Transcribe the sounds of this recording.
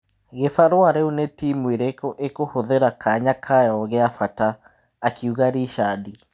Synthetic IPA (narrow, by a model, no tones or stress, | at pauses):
ɣefaɾwaɾeunetiːmweɾekɔʔekohoðeɾakʰaɲakʰajɔɣeafataː | kʰiuɣaɾiʃaːdi